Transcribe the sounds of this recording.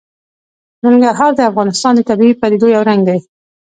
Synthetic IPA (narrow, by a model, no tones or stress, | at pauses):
nɪŋɡaɾɦɑɾd̪əafɣɑnɪst̪ɑnd̪ət̪abiipaɾed̪ojawɾaŋɡd̪aj